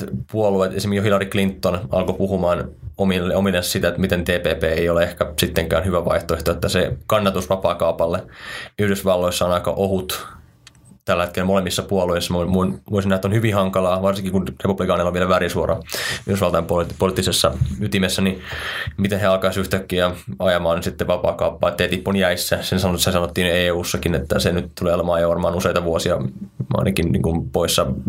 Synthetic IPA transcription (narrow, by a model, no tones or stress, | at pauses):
puoluet̪esimekijohilɑriklint̪ːonɑ̰lkopuhumɑːnomilːeomilːessit̪æet̪mit̪ent̪eːpeːpeːeioleehkæsit̪ːeŋkæ̰ːnhyʋæʋɑ̰iht̪oeht̪oet̪ːæsekɑnːɑt̪usʋɑpɑːkɑupɑlːeyhdøsʋɑlːoisːɑonɑikɑ̰ʔohut̪ | t̪ælːet̪̚kelːmolemːisːɑpuoloisːɑmomunʋoisinæhet̪ːonhyʋihɑŋkɑlɑːʋɑrsiŋkikunrepub̥likɑːnilːoʋielæʋærisuorɑ̰yhɾøsʋɑlt̪ɑjɑmpotpolt̪ːisesːɑyt̪imesːænimit̪eheɑlkɑisyht̪ækːiæɑjɑmɑːnsit̪ːeʋɑpɑ̰ːkɑupːɑːet̪ːet̪ihpːonjæisːæsensɑnsesɑnot̪ːiːneːuːsːɑkinet̪ːæsenyt̪t̪uleːɑlemɑːjɑʋɑrmɑːnuseit̪ɑʋuosiɑɑ̰inɑkinnḭːŋkumpoisːɑ